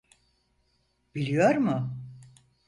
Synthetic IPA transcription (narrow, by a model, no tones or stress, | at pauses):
b̥ilʲijoɾmʊ